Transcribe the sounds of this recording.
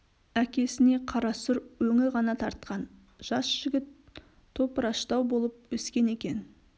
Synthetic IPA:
ækʲe̞sɪne̞qʰɑɾɑsʊɾwɵŋɪʁɑnɑt̪ʰɑɾt̪̚qɑn | ʒ̥ɑsʒ̥ɪɡʲɪt̪ʰː | o̞pəɾɑʃt̪ɑwbo̞lˠəp̚wɵskʲe̞ne̞kʲe̞n

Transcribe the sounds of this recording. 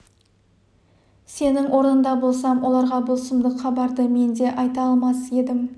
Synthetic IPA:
se̞nɪŋwʔo̞ɾnənd̪ɑbo̞lˠsɑmwʔo̞lˠɑɾʁɑbʊlˠsəmd̪əχɑbɑɾd̪əme̞nd̪e̞ʔɑjt̪ɑɑlˠmɑsəe̞d̪ɪm

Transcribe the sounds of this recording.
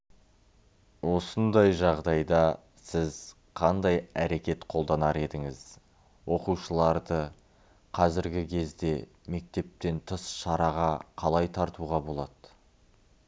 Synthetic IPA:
wo̞sənd̪ɑjʒɑʁd̪ɑjd̪ɑ | sɪz | qʰɑnd̪ɑjæɾe̞kʲe̞t̪qʰo̞lˠd̪ɑnɑɾe̞d̪ɪŋɪz̥ | wo̞quʃəlˠɑɾd̪ə | qʰɑzɪɾɡʲɪkʲʰe̞zd̪e̞ | me̞k̚t̪e̞p̚t̪e̞nt̪ʰəsʃɑɾɑʁɑqʰɑlˠɑjt̪ʰɑɾt̪uʁɑbo̞lˠɑd̪̥

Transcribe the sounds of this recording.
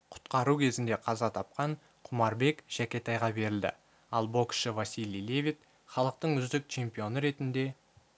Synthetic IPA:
qʰʊ̥t̪qɑɾukʲʰe̞zɪnd̪eqʰɑzɑt̪ʰɑp̚qɑɴ | qʰʊmɑɾbe̞kʒ̥ækʲe̞t̪ɑjʁɑbe̞ɾɪld̪ɪ̰ | ɑlˠbo̞kʃɪvasilʲˠijle̞vʲijt̪ | χɑlˠəq̚t̪əɴʏzd̪ɪk̚t͡ʃʰe̞mpijo̞nəɾe̞t̪ɪnd̪e̞

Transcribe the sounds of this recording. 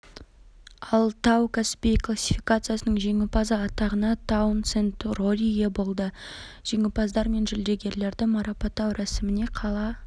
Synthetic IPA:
ɑlˠt̪ʰɑwk̪ˠasʲpʲijklˠasʲifikat̪sɨjasənəɴʒe̞ŋɪpɑzəɑt̪ɑʁənɑt̪ʰawnt̪sent̪ro̞lʲiɡʲebo̞lˠd̪ə | ʒ̥e̞ŋʲɪpɑzd̪ɑɾme̞nʒʏld̪e̞ɡʲe̞ɾle̞ɾd̪ɪmɑɾɑpɑt̪ːɑwɾæsɪmɪne̞qʰɑlˠɑ

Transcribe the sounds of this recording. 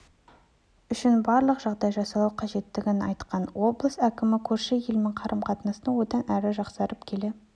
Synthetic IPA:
ʏʃɪnbɑɾlˠəqʒ̥ɑʁd̪ɑjʒɑsɑlˠɑwqʰɑʒe̞t̪ːɪɡʲɪnɑjt̪qɑnwo̞blˠəsækʲɪmɪkʲʰɵɾʃeje̞lmɪŋqʰɑɾəmqʰɑt̪ənɑsənəwo̞d̪ɑnʔæɾɪʒɑqsɑɾəpkʲʰe̞le

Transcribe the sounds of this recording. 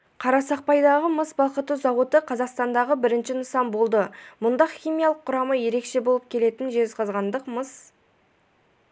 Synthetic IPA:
qʰɑɾɑsɑq̚pɑjd̪ɑʁəməsbɑlˠqət̪ːuzɑwot̪əqʰɑzɑqst̪ɑnd̪ɑʁəbɪɾɪnʃɪnəsɑmbo̞lˠd̪əmʊnd̪ɑχʲijmijɑlˠəqʰːʊɾɑməje̞ɾe̞kʃe̞bo̞lˠəp̚kʲʰe̞le̞t̪ɪnʒe̞zqʰɑzʁɑnd̪əqməs

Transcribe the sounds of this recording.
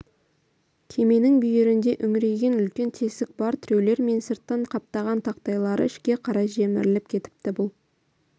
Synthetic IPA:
kʲʰe̞me̞nɪŋbʏjeɾɪnd̪e̞ʔʏŋɪɾe̞ɡʲe̞nʏlkʲe̞nt̪ʰe̞sɪk̚bɑɾt̪ʰʏɾe̞wle̞ɾme̞nsəɾt̪ːɑɴqʰɑp̚t̪ɑʁɑnt̪ʰɑqt̪ɑjlˠɑɾə̰ɪʃkʲe̞qʰɑɾɑʒe̞mɪ̰ɾɪlɪp̚kʲʰe̞t̪ɪ̥p̚t̪ɪbʊlˠ

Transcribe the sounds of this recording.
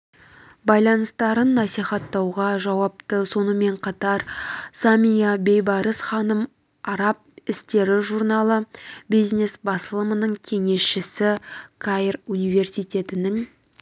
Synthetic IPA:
bɑjlˠɑnəst̪ɑɾənːɑsijχɑt̪ːɑwʁɑʒɑwɑp̚t̪əso̞nəme̞ɴqʰɑt̪ɑɾsamʲijabe̞jbɑɾəsχɑnəm | ɑɾɑp̚ɪst̪e̞ɾɪʒuɾnɑlˠəbijzne̞sbɑsəlˠəmənəɴkʲʰe̞ŋe̞sʃɪsɪkʰarunijve̞ɾsijt̪ʲe̞t̪ɪnɪŋ

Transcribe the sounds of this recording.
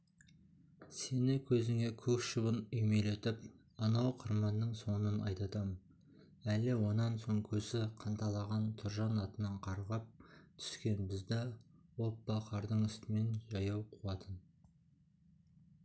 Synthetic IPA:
se̞nɪkʲʰɵzɪŋe̞kʲʰɵkʃəbənʏjme̞let̪ɪp̚ | ɑnɑwqʰəɾmɑnːəɴso̞nənɑjt̪ɑt̪ɑmən | ælɪwo̞nɑnso̞ŋkʲʰɵzɪqʰɑnt̪ɑlˠɑʁɑnt̪ʰʊɾʒɑnɑt̪ənɑɴqʰɑɾʁɑp̚t̪ʰʏ̥skʲe̞nbɪzd̪ɪwo̞pːɑqʰɑɾd̪əɴʏst̪ɪme̞nʒɑjɑwqʰuwɑt̪ʰən

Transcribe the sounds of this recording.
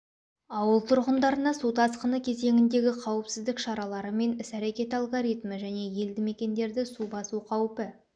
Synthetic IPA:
ɑwəlˠt̪ʰʊɾʁənd̪ɑɾənɑsut̪ʰɑsqənəkʲʰe̞ze̞ŋʲɪnd̪e̞ɡʲɪqʰɑwəpsɪzd̪ɪkʃɑɾɑlˠɑɾəme̞nɪsæɾe̞kʲe̞t̪alˠɡoɾijt̪məʒæne̞je̞ld̪ɪme̞kʲe̞nd̪e̞ɾd̪ɪsubɑsuqʰɑwpɪ

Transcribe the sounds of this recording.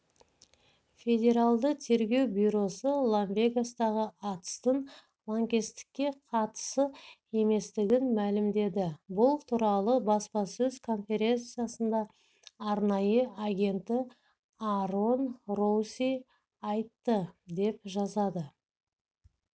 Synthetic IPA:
fʲe̞dʲe̞ɾalˠd̪ət̪ʰe̞ɾɡʲe̞wbʲujɾo̞səlˠonvʲe̞ɡast̪ɑʁəɑt̪ə̥st̪əɴ | lˠaŋkʲe̞st̪ɪ̥kʲːe̞qʰɑt̪ə̥sə | e̞me̞st̪ɪɡʲɪnmælɪmd̪e̞d̪ɪbʊlˠt̪ʰuɾɑlˠəbɑspɑsɵzkʰo̞nfʲe̞ɾʲe̞nt̪sɨjasənd̪ɑː | ɾnɑjəaɡʲe̞nt̪ɪ | aro̞nrosʲi | ɑjt̪ːəd̪e̞pʒɑzɑd̪ə

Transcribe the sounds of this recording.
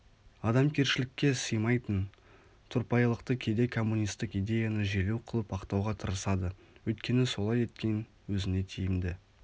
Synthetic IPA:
ɑd̪ɑmkʲʰe̞ɾʃɪlɪkʲːe̞səjmɑjt̪ən | t̪ʰʊɾpɑjlˠəqt̪əkʲʰe̞d̪e̞kʰo̞mːunʲijst̪ɪqijd̪e̞janəʒe̞luwqʰəlˠəpʰɑqt̪ɑwʁɑt̪ʰəɾəsɑd̪ə | wɵjt̪̚kʲe̞nɪso̞lˠɑje̞t̪̚kʲe̞n | wɵzɪne̞t̪ʰejɪmd̪ɪ

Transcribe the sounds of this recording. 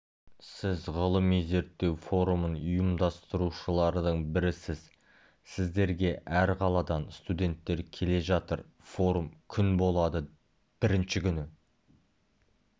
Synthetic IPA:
sɪzʁəlˠəmize̞ɾt̪ːe̞wfo̞ɾumənʊjəmd̪ɑst̪əɾuʃəlˠɑɾd̪əɴbɪɾɪsɪz̥ | sɪzd̪e̞ɾɡʲe̞ʔæɾqʰɑlˠɑd̪ɑnst̪ud̪ʲe̞nt̪ːe̞ɾkʲʰe̞le̞ʒɑt̪əɾ | fo̞ɾumkʲʰʏnbo̞lˠɑd̪ə | b̥ɪɾɪnʃɪkʲʰʏnɪ

